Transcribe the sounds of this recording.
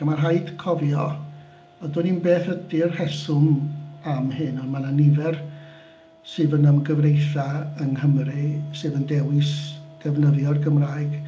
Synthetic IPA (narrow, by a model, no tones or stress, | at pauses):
amarɦajd̥kʰɔvjɔ | ɔdʊninbeːθədɪrhɛsʊmamɦɨnɔnmananɪvɛr | sɨːðənəmɡəvrejθaənɦəmrɨsɨːðəndɛwɪsɡ̥əvnəðjɔrɡəmraːjɡ̥